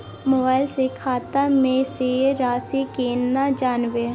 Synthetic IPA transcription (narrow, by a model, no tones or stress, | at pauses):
moːbaːɪlsekʰaːt̪amẽseɾaːsikenːad͡ʒaːnʋe